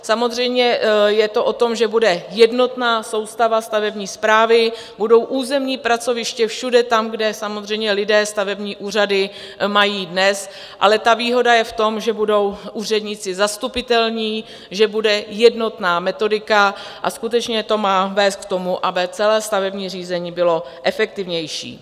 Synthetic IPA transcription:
samozr̝ɛjmɲɛjɛt̪o̞ʔo̞t̪o̞mʒɛbudɛjɛdno̞t̪naːso̞wst̪avast̪avɛbɲiːspɾaːvɪ | budo̞wʔuːzɛmɲiːpɾat͡so̞vɪʃcɛfʃudɛt̪amɡdɛsamozr̝ɛjmɲɛlɪdɛːst̪avɛbɲiːʔuːr̝adɪ | majiːdnɛs | ʔa̰lɛt̪aviːɦo̞dajɛft̪o̞mʒɛbudo̞wʔuːr̝ɛdɲɪt͡sɪzast̪upɪt̪ɛlɲiː | ʒɛbudɛjɛdno̞t̪naːmɛt̪o̞dɪkaʔa̰skut̪ɛt͡ʃɲɛt̪o̞maːvɛːst̪k̚t̪o̞muʔabɪt͡sɛlɛːst̪avɛbɲiːr̝iːzɛɲiːbɪlo̞ | ʔɛfɛk̚t̪ɪvɲɛjʃḭː

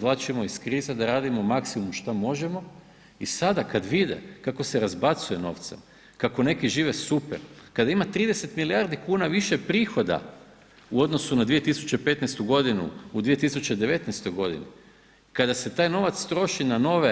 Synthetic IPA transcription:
zʋlˠat͡ʃimo̞iskɾiːzed̪aɾaːd̪imomaksimumʃt̪amo̞ʒe̞mo̞ | isad̪akad̪ʋid̪ḛkako̞seɾazbat̪suje̞no̞̰ʋt̪sḛm | kako̞ne̞kiʒiːʋe̞supeɾkad̪aimat̪ɾiːd̪e̞se̞t̪miliaɾd̪ikuːnaʋiʃe̞pɾiːxo̞d̪a̰ | uo̞d̪no̞sunad̪ʋije̞t̪isu̥t͡ɕe̞pe̞t̪nejst̪uɡo̞d̪inṵud̪ʋije̞t̪isut͡ɕe̞d̪e̞ʋe̞t̪nɛjst̪o̞jɡo̞d̪ḭni | kad̪ase̞t̪aːjno̞ʋat̪st̪ɾo̞ʃinano̞ʋe

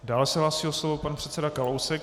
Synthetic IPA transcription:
daːlɛsɛɦlaːsiːoslovopanpr̝̥ɛt̪t͡sɛdakalowsɛk̚

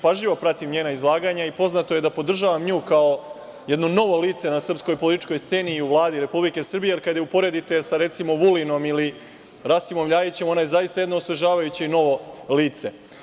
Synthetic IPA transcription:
paʒʎiʋo̞pɾat̪imɲeːnaizlˠaːɡaɲaipo̞znat̪o̞je̞d̪apo̞d̪r̩ʒaʋamɲuːkao | jed̪no̞no̞ʋo̞liːt̪se̞nasr̩psko̞jpolit̪i̥t͡ʃko̞jst̪se̞ːniːuʋlˠaːd̪iɾe̞publike̞sr̩bijelikad̪jeupo̞ɾe̞d̪it̪e̞saɾe̞t̪simo̞ʋulino̞mili | ɾasimo̞mʎaːjit͡ɕe̞mo̞najezaist̪aje̞d̪noosʋeʒaːʋajut͡ɕeino̞ʋo̞liːt̪se̞

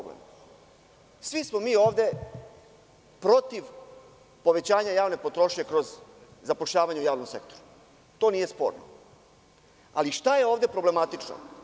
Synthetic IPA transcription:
blḛm | sʋismo̞miːo̞ːʋd̪e̞ | pɾo̞t̪iʋ | po̞ʋe̞t͡ɕaːɲajaːʋne̞po̞t̪ɾoʃɲekɾo̞zzapoʃʎaːʋaɲeujaːʋno̞mse̞kt̪o̞ɾu | t̪o̞ːniːje̞spo̞̰ːɾno̰ | a̰liʃt̪aje̞o̞ːʋd̪e̞pɾo̞ble̞mat̪it͡ʂno̰

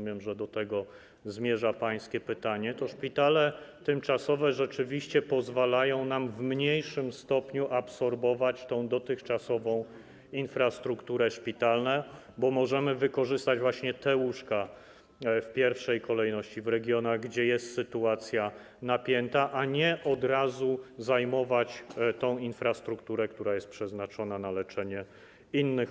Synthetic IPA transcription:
mjɛmʐɛd̪ɔt̪ɛɡɔ | zmʲjɛʐapaj̃skʲɛpɘt̪aɲɛt̪ɔʂpʲit̪alɛt̪ɘmt͡ʂasɔvɛʐɛt͡ʂɘvʲiɕt͡ɕɛpɔzvalajɔ̃w̃namvmɲejʂɘmst̪ɔpɲuʔapsɔɾbɔvat͡ɕt̪ɔ̃w̃d̪ɔt̪ɘxt͡ʂasɔvɔ̃w̃ | infɾast̪ɾukt̪uɾɛʂpʲit̪alnɛ | bɔmɔʐɛmɘvɘkɔʐɘst̪ad͡ʑvwaɕɲɛt̪ɛwuʂka | fpʲjɛɾfʂɛjkɔlɛjnɔɕt͡ɕivɾɛɡʲjɔnaɣɡd͡ʑɛjɛst̪sɘt̪uat̪sʲja | napʲjɛnt̪aʔaɲɛʔɔd̪ɾazuzajmɔvat͡ɕt̪ɔ̃w̃infɾast̪ɾukt̪uɾɛkt̪uɾajɛst̪pʂɛznat͡ʂɔnanalɛt͡ʂɛɲɛ | inːɘx

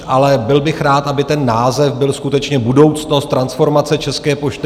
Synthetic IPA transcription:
ʔalɛbɪlbɪxɾaːt̪ʔabɪt̪ɛnːaːzɛfbɪlskut̪ɛt͡ʃɲɛbudo̞wt͡sno̞st̪ːɾansfo̞ɾmat͡sɛt͡ʃɛskɛːpo̞ʃt̪ɪ

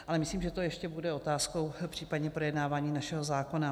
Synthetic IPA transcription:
ʔalɛmɪsliːmʒɛt̪o̞jɛʃcɛbudɛo̞t̪aːsko̞wpr̥iːpadɲɛpɾo̞jɛdnaːvaːɲiːnaʃɛɦo̞zaːko̞na

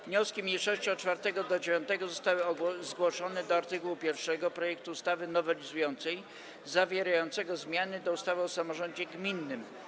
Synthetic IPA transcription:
vɲɔskʲimʲijʂɔɕt͡ɕiɔt͡ʂfaɾt̪ɛɡɔd̪ɔd͡ʑevʲjɔ̃nt̪ɛɡɔzɔst̪awɘzɡwɔʂɔnɛd̪ɔaɾt̪ɘkuwupʲjɛɾfʂɛɡɔpɾɔjɛk̚t̪uːst̪avɘnɔvɛlʲizujɔnt̪sɛj | zavʲjɛɾajɔnt̪sɛɡɔzmʲjanɘd̪ɔust̪avɘɔsamɔʐɔɲd͡ʑɛɡmʲinːɘm

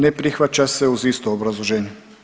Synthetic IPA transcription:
nɛpɾixʋat͡ʃasɛuziːst̪oːbɾazlˠoʒɛːnɛ

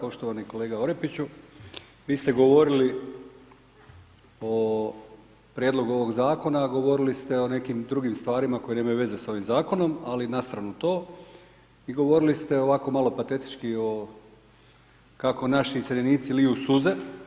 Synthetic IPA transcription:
po̞ʃt̪oʋaniko̞le̞ːɡao̞ɾepit͡ɕu | ʋiːst̪e̞ɡo̞ʋo̞ɾili | o | pɾjed̪lˠo̞ɡuoʋo̞ɡzaːko̞naɡo̞ʋo̞ɾilist̪e̞o̞ne̞kimd̪ɾuɡimst̪ʋaːɾimako̞jeneːmajuʋe̞ze̞sao̞ʋimzaːko̞no̞malinast̪ɾanut̪o̞ː | iɡo̞ʋo̞ɾilist̪eo̞ʋako̞malˠo̞pat̪e̞t̪i̥t͡ʃkio̞ | kako̞naʃiːseniːt̪siliusuze

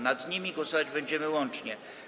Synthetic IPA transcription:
nad̪ɲimʲiɡwɔsɔvad͡ʑbɛɲd͡ʑɛmɘwɔnt͡ʂɲɛ

